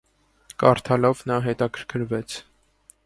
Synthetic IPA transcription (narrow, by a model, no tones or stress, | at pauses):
kɑɾt̪ʰɑlɔvnɑɦɛt̪ɑkʰəɾkʰəɾvɛt͡sʰ